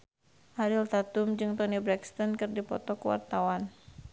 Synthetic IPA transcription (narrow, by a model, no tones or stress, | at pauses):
ʔaɾilt̪at̪ʊmd͡ʒɨŋt̪ɔnibɾɛkst̪ɔnkɨrdipɔ̰t̪ɔkuwa̰rt̪awan